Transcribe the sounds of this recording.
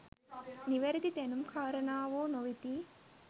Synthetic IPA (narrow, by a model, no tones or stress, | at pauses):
niʋɐɾit̪it̪enumkʰaːɾɐnaːʋoːnoʋit̪i